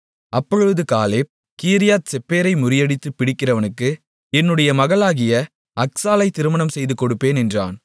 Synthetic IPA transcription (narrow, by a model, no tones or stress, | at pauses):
ʔɐpːɔɻɯɯðɯkaːleː | kiːɾɪjaːt̪̚sɛpːeːɾɐɪmʊɾɪjɐɽɪt̪ːɯpːɪɽɪkːɪrɐʋɐnɯkːɯ | ɛnːɯɽɐjɐmɐɣɐɭaːɣɪjɐ | ɐksaːlɐɪt̪ːɪɾɯmɐnɐmsɛjðɯkːɔɽɯpːeːnɛndra̰ːn